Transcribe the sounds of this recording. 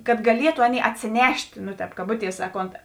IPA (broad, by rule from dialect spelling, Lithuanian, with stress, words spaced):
kɐt ɡɐˈlʲiɛtʊ ˈɑːˌnʲeːɪ ɐtʲsʲeːˈnʲɛʃʲtʲ nʊ ˈtʲɛːp kɐˈbʊˌtʲiɛs ˈsɑːˌkoːnt